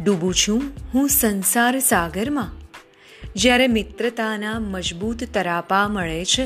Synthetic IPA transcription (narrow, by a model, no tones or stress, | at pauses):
ɖubũt͡ʃʰũɦũsənsaɾsaɡəɾmã | d͡ʒjaɾemɪt̪ɾət̪anaməd͡ʒbut̪ːəɾapaməɭet͡ʃʰe